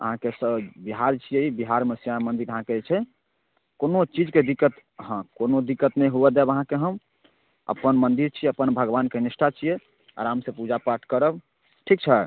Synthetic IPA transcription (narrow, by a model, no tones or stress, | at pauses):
ə̰ɦãkesəbbiɦaɾt͡ʃʰijeibiɦaɾmesijamənd̪iɾəɦãket͡ʃʰɛ | konot͡ʃid͡ʒked̪ikːət̪ | ɦə̃konod̪ikːət̪nɛjɦuɛd̪ɛbəɦãkeɦəm | ə̰pənmənd̪iɾt͡ʃʰiəpənbʱəɡbankenisʈʰat͡ʃʰije | ə̰ɾamsẽpud͡ʒapaʈʰkəɾəb | ʈʰik̚t͡ʃʰɛ